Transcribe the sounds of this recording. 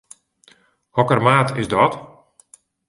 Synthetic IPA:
hɔkərmaːtʰɪsdɔt

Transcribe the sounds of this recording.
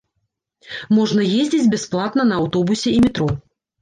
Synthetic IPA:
mɔʐnɐjezʲd͡zʲid͡zʲbʲɛsplˠat̪nɐnɐːwt̪ɔbusʲɛimʲɪt̪ɾɔ

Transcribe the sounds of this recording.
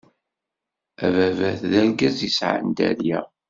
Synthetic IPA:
ævævæθðæɾɡæzisʕa̰nd̪æ̰ɾjæ

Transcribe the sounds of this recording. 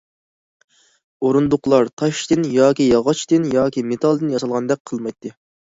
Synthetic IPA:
oɾund̪ʊqlˠɑɾt̪ʰɑʃt̪ɨnjɑːkʲijɑʁɑt͡ʃt̪ɨnjɑːkʲimet̪ʰɑlˠd̪ɨnjɑsɑlˠʁɑnd̪ɛk̚ʲqʰəlˠmɑjt̪ʰːɨ

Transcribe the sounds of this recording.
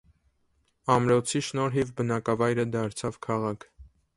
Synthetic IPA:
ɑmɾɔt͡sʰiʃnɔɾɦivbənɑkɑvɑjɾəd̪ɑɾt͡sʰɑvkʰɑʁɑkʰ

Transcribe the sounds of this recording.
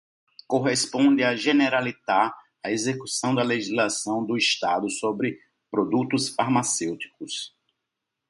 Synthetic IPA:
koɦespõd̪ɪaʒeneɾalit̪a | aezekusɐ̃w̃d̪ɐleʒizlasɐ̃w̃d̪ʊist̪ad̪ʊsobɾɪ | pɾod̪ut̪ʊsfaɾmasewt̪i̥kʊs

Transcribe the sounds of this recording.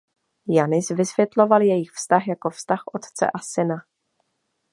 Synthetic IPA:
janɪsvɪsvjɛt̪lo̞valjɛjɪxfst̪axjako̞fst̪axʔot̪t͡sɛ̰ʔasɪna

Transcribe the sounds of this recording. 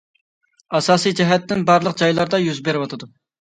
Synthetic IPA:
ɑsɑːsijd͡ʒɛɦɛt̪ːɪnbɑɾlˠəqd͡ʒɑjlˠɑɾd̪ɑjyzbeɾɪwɑt̪ʰɨd̪u

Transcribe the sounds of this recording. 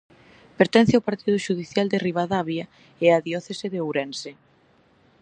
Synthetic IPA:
peɾt̪ɛn̟θeawpaɾt̪ið̞ʊʃuðiθjald̪eriβaðaβja | eaðjɔθeseðeowɾɛnse

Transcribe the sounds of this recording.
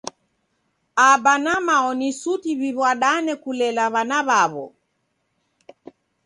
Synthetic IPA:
abanamaɔnisutiβiβwaɗanɛkulɛlaβanaβaβɔ̰

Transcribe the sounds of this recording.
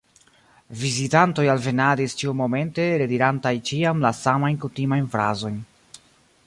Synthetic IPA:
vizitanto̞jalve̞nadist͡ʃiumo̞me̞nte̞ɾediɾantajt͡ʃiamlasamajnkutimajnfɾa̰zo̞jn

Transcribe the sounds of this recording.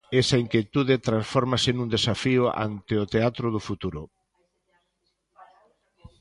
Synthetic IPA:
esaiŋkjet̪uðet̪ɾãnsfɔɾmasɪnũnd̪esafiʊa̰nt̪eot̪eat̪ɾoðʊfut̪uɾʊ

